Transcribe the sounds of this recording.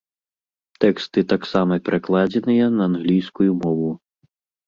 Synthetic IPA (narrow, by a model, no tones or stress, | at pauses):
t̪ɛkst̪ɨt̪aksamɐpʲɛɾʔaklˠad͡zʲɛnɨjɐnɐːnɣlʲijskujumɔvu